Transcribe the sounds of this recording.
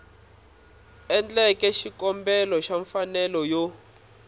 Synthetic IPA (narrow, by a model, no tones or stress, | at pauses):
ɛnd͡ɮɛkɛʃikɔmbɛlɔʃaɱfanɛlɔjo